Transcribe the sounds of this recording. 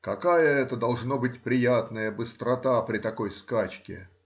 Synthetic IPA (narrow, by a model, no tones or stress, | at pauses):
kɐkajəɛt̪əd̪ɐlˠʐno̞bɨtʲpɾʲɪjat̪nəjəbɨst̪ɾɐt̪apɾʲɪt̪ɐko̞jskat͡ɕkʲɪ̰